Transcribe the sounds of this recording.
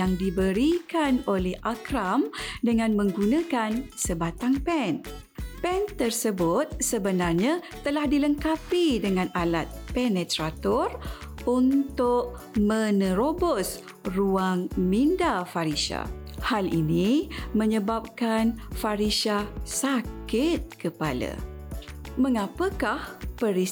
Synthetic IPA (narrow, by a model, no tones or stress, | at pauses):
jaŋdibəɾikanolɛhʔakɾamdəŋãnmə̃ŋɡunãkansəbat̪aŋpɛn | pɛnt̪ərsəbʊt̪̚səbənarɲat̪ːəlahdiləŋkapidəŋãnalat̪̚pɛnɛt̪ɾat̪ɔr | unt̪ʊʔ̚ | mə̃nəɾobɔs | ruaŋmindafaɾisa̰halinimə̃ɲəbap̚kanfaɾisasakɪt̪̚kəpala̰ | məŋapəkahpəɾi